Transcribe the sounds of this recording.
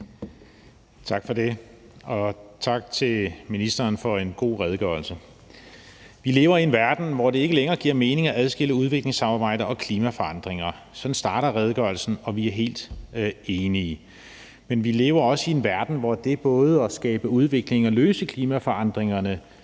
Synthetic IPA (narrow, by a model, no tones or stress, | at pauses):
t͡sʰɑ̈ɡ̥fɒ̽d̥e̝ | ɒ̽t͡sʰɑ̈ɡ̥̚t͡sʰe̝lminisd̥ɐːnfɒ̽e̝nɡ̥o̝̰ːʁɛð̞ˠɡ̥œɐ̰lsə | ʋile̝ːʊɐie̝nʋæɐd̥n̩ʋɒd̥e̝e̝ɡ̥əleŋɐːɡ̥iɐ̰me̝ːne̝ŋæʔæð̞ˠsɡ̥e̝l̰əuð̞ˠʋe̝ɡ̥le̝ŋsɑ̈mɑ̈ːb̥ɑ̈ɪ̰d̥ɐɒ̽kʰliːmæfɒ̽ɑ̈nd̥ʁeŋɐ | sɒ̽dn̩sd̥ɑ̈ːɾ̥ɐʁɛð̞ˠɡ̥ɶɐl̩sn̩ɒ̽ʋiæɐɦe̝̰ːld̥e̝ːni | menʋile̝ːʊɐɒ̽səienʋæɐd̥n̩ʋɒd̥e̝b̥ɔ̽ːð̞̩ˠɒ̽sɡ̥ɛːb̥əuð̞ˠʋe̝ɡ̥le̝ŋɒ̽løːsəkʰliːmæfɒ̽ɑ̈nd̥ʁeŋɐnə